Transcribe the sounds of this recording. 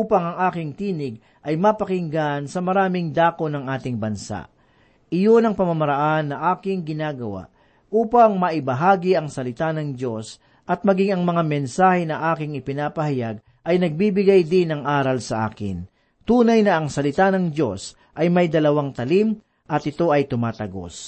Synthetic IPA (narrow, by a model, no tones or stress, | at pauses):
uːpɐŋɐŋʔaːkɪŋt̪iːnɪɡ̚ | ʔɐjmɐpɐkɪŋɡansɐmɐɾaːmɪŋd̪aːko̞nɐŋʔaːt̪ɪŋbɐnsa̰ʔ | ʔɪjo̞nɐŋpɐmɐmɐɾɐʔanːɐʔaːkɪŋɡɪnaːɡɐwa̰ʔ | ʔuːpɐŋmɐʔɪbɐɦaːɡɪɐŋsɐlɪt̪anɐŋd̪jo̞s | ʔɐt̪̚mɐɡiŋɐŋmɐŋamɛnsaːhɛnɐʔaːkɪŋɪpɪnaːpɐhɐjaɡ̚ | ʔɐjnɐɡ̚bibɪɡajd̪ɪnɐŋʔaːɾɐlsɐʔa̰ːkɪ̰n | t̪uːnɐjnɐʔɐŋsɐlɪt̪anɐŋd͡ʒo̞s | ʔɐjmɐjd̪ɐlɐwaŋt̪ɐlim | ʔɐt̪̚ɪt̪o̞ɐjt̪ʊmaːt̪ɐɡo̞̰s